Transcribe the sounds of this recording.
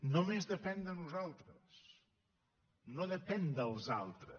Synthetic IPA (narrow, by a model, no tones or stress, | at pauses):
nomezðəpɛnd̪ənuzalˠt̪ɾəs | noðəpɛnd̪əlˠza̰lˠt̪ɾə